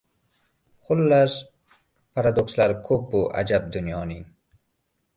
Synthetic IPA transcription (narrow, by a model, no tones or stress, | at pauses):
χʰʊlːas | pʰaɾad̪okslaɾkʰobːuʔa̰d͡ʒab̚d̪ʊnjɒːniŋ